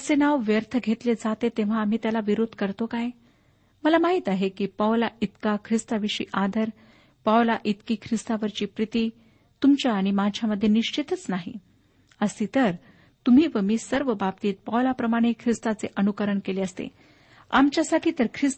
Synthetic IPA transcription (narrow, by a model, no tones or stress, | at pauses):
əsenaʋʋjəɾt̪ʰəɡʱet̪led͡zat̪et̪eʋ̤aːm̤iːt̪jalaʋiɾod̪ʱkəɾt̪okaj | məlamaɦit̪aɦekiːpaʋlait̪kakʰɾist̪aʋiʂḭːʔad̪ʱəɾ | pawlaʔit̪kiːkʰɾist̪aʋəɾt͡ɕiːpɾit̪iː | t̪umt͡ɕjaːɽ̃imad͡ʑʱjaməd̪ʱːjeniʂt͡ɕit̪ət͡snaɦḭ | əsiːt̪əɾ | t̪um̤iːʋəmiːsəɾʋəbapt̪iːt̪̚pawlapɾəmaɽ̃ekʰɾist̪at͡seʔənukəɾəɳkeleəst̪ḛ | a̰mt͡ɕjasaʈʰiːt̪əɾkʰɾis